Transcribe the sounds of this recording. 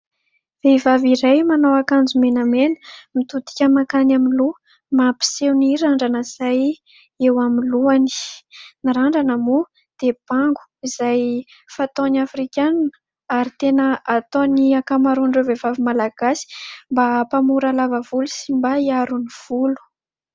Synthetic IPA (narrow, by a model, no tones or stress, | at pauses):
v̥evaviɾajmanowakand͡zumenamenə̥mit̪ut̪i̥kʲəmakanaminlu | mapi̥sewniɾaɳɖ͡ʐanəz̥aj | ewamiluani̥niɾaɳɖ͡ʐanəmu | d̪̥eb̥aŋɡu̥izaj | fat̪onafɾikʲannə̥ | aɾit̪enəat̪oniakamaɾuɳɖ͡ʐevevavimalaɡ̥asi̥mbapamuɾalavəvulusimbaiaɾuniv̥ulu̥